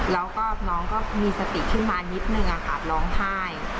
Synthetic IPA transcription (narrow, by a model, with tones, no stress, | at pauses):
lɛː˦˥wkɔː˥˩nɔː˦˥ŋkɔː˥˩miː˧sa˧t̪i˨˩kʰɯ˥˩nmaː˧ni˦˥t̪̚nɯ˨˩ŋʔaː˧kaː˨˩t̪̚lɔː˦˥ŋt̪ʰaː˥˩j